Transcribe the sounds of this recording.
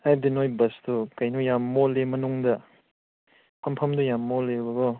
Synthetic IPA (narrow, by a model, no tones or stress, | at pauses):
ab̚dinojbɐsdukɐjnujamːolemɐnuŋdɐ | pʰɐmpʰɐmdujamːolebɐɡo